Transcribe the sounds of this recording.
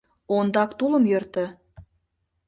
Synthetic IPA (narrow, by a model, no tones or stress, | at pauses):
ond̪ɑkt̪ulə̆mjørt̪ə̆